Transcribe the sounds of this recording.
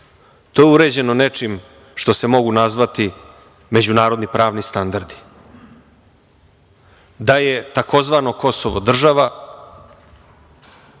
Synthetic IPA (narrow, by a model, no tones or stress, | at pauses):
t̪o̞ːjeuɾed͡ʑe̞none̞t͡ʂim | ʃt̪o̞se̞mo̞ɡunazʋat̪i | me̞d͡ʑunaːɾo̞d̪nipɾaːʋnist̪and̪aɾd̪i̥ | d̪aje̞t̪ako̞zʋaːno̞ko̞soʋod̪r̩ʒaʋa